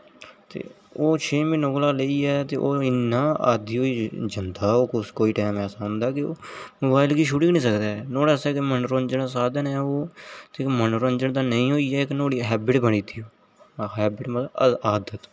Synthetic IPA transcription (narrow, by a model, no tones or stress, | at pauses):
t̪ḛː | oːt͡ʃʰeːminoːklaːləiːɛːt̪eːʔoːɪnːaːa̰ːd̪iːoːid͡ʒənt̪aːoːkʊskoːiːʈɛːmɛːsaːɦʊ̃nd̪aːkɪo̰ːmoːbaːɪlɡiːʃʊɽɪːɡnĩːsəkd̪aːnoːɽaːsɛːkemənɾõnd͡ʒənasaːd̪ənɛːoːt̪emənɾõnd͡ʒəɳd̪ãːnəĩːɦoːiːɛːɪknoːɽiːɦɛːbɪʈbəniːt̪iːoː | ɦɛːbɪʈməaːd̪ət̪